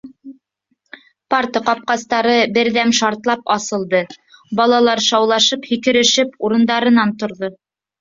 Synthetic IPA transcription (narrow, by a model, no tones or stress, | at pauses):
pɑrt̪ɤqɑp̚qɑst̪ɑɾɤbɘɾðæmʃɑɾt̪lˠɑpɑsɤ̆lˠd̪ɤbɑlˠɑlˠɑɾʃɑwlˠɑʃɤphikɘ̆ɾɘ̆ʃɘpuɾɤ̆nd̪ɑɾɤ̆nɑnt̪ŏɾðo